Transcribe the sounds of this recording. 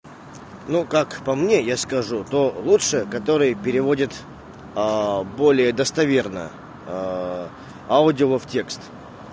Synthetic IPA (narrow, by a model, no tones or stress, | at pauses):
nukakpɐmnʲe̞jaskɐʐut̪o̞lˠutʂɨkɐt̪o̞ɾɨjəpʲɪɾʲɪvo̞dʲɪt̪ | bo̞lʲɪjəd̪əst̪ɐvʲe̞rnə̰ | aʊdʲɪoəftʲe̞kst̪